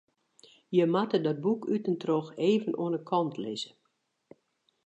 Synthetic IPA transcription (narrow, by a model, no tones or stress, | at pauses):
jəmatədɔt̚bukʰytəntroxeːvənʔo̰ənəkʰɔntʰlɪzə